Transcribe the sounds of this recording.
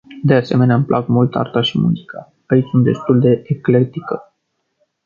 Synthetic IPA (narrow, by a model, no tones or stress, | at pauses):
d̪e̞ase̞me̞neamplʔakmult̪a̰rt̪aʃimṵzika | ait͡ʃsunt̪̚d̪e̞st̪uld̪e̞ekle̞t̪ikə